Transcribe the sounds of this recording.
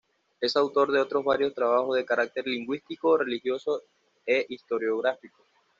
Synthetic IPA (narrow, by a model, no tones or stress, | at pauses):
e̞sawt̪o̞ɾðe̞o̞t̪ɾo̞zβaɾjo̞st̪ɾaβ̞axo̞zðe̞kaɾak̚t̪e̞ɾliŋɡwist̪iko̞re̞lixjo̞so̞ | eʔist̪o̞ɾjo̞ɣ̞ɾafiko